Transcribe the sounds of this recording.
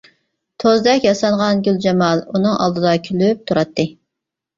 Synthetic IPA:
t̪ʰozd̪ɛkʲjɑsɑlʁɑnɡʲyld͡ʒɑmɑlˠunɨŋɑ̰lˠd̪ɨd̪ɑkʲʰylyp̚t̪ʰuɾɑt̪ːɨ

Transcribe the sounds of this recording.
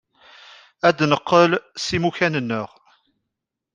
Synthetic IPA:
æd̪nəqːəlsimuçænənːəʁ

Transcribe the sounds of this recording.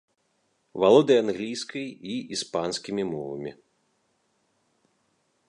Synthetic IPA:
valˠɔd̪ɨjanɣlʲijskɐjiispanskʲimʲimɔvɐ̰mʲḭ

